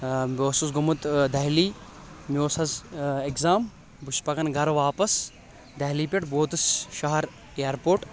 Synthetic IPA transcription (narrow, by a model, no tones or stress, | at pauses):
boːsuːsɡumut̪d̪ɐɦliː | mʲoːsɐzekzaːm | bʊʃpɐkɐnɡʱɐɾʋaːpɐs | d̪ɐɦliːpʲeʈboːt̪ɨsʃɐɦɐɾ | ejɐɾpoːʈ